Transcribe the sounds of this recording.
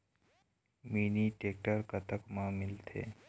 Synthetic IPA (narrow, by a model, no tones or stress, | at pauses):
miːniʈeːk̚ʈəɾkət̪əkmãmɪlt̪ʰḛː